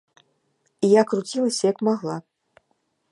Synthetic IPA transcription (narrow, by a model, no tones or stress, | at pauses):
ijakrut͡sʲilˠɐsʲɐjɐkmaɣlˠa